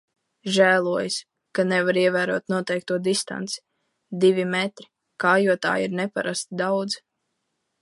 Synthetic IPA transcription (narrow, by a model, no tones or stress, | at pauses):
ʒæːlˠuɔjs | kanɛvaɾiɛvæːɾuɔt̪nuɔt̪ɛjk̚t̪uɔd̪ist̪a̰nt̪si̥ | d̪ivʲimɛt̪ɾi̥ | kaːjuɔt̪a̰ːiɾnɛpaɾast̪id̪awd̪z